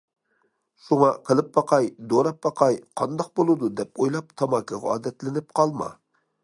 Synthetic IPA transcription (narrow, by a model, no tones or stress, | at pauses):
ʃuŋɑqʰəlˠɨp̚bɑqʰɑjd̪oɾɑp̚bɑqʰɑjqʰɑnd̪ɑq̚bolˠɨd̪ud̪ɛpojlˠɑpt̪ʰɑmɑkʰɑʁɑɑ̰ːd̪ɛt̪lɪnɪp̚qʰɑlˠmɑ̰